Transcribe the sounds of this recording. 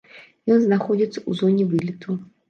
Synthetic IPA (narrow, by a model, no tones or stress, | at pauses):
jɔnznaxɔd͡zʲit̪sːəuzɔnʲivɨlʲit̪ʰu